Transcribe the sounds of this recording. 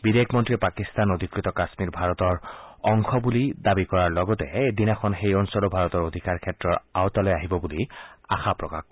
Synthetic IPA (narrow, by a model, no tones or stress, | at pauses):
bidekʰmɔntɹiɛpakistanod̪ʱikɹit̪ɔkasmiɹbʱaɹɔtɔɹɔŋxɔbulidabikɔɹaɹlɔɡɔtɛed̪inaxɔnxejɔnsɔlɔbʱaɹɔtɔɹod̪ʱikaɹkʰɛtɹɔɹawtalɔjaɦibɔbulia̰xapɹɔkax